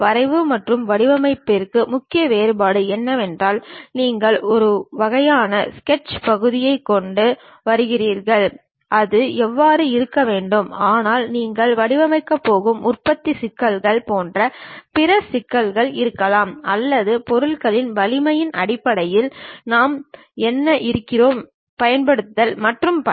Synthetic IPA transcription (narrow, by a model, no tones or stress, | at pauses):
ʋɐɾɐɪʋɯmɐʈrɯmʋɐɽɪʋɐmɐɪpːɪrkɯmʊkːɪjɐʋeːɾɯbaːɽɯɛnːɐʋɛndraːlniːŋɡɐɭɔɾɯʋɐɣɐjaːnɐskɛʈt͡ʃpɐɣɯðɪjɐɪkːɔɳɖɯ | ʋɐɾɯɣɪriːɾɣɐɭ | ʔɐðɯɛʋːaːɾɯɪɾɯkːɐʋeːɳɖɯmaːnaːlniːŋɡɐɭʋɐɽɪʋɐmɐɪkːɐpːoːɣɯmʊrpɐt̪ːisɪkːɐlɣɐɭpoːndrɐpɪɾɐsɪkːɐlɣɐɭɪɾɯkːɐlaːmɐlːɐðɯpɔɾɯɭɣɐɭɪnʋɐlɪmɐjɪnʔɐɽɪpːɐɽɐjɪlnaːm | ɛnːɐʔɪɾɯkːɪroːm | pɐjɐnpɐɽɯt̪ːɐlmɐʈrɯmpɐ